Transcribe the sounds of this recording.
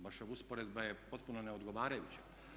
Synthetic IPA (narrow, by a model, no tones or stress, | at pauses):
baʃoʋuspoɾed̪bajepo̞t̪̚punoneod̪ɡoʋaːɾajut͡ɕe